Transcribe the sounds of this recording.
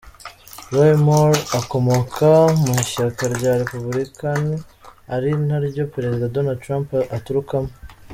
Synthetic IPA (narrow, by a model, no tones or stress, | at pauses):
ɾojmoɾako̞mo̞kʰamuʃakaɾɟaɾe̞puβuɾikaniaɾinaɾɟo̞peɾe̞zidado̞nad̚t̪ɾaːmpatuɾukamo